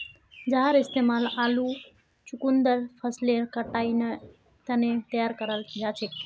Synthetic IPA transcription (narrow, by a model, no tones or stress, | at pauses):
d͡ʒaɦaɾɪst̪emalalũ | t͡ʃukund̪əɾfʰəslekəʈaine | t̪ənet̪əjaɾkəɾaljat͡ʃʰe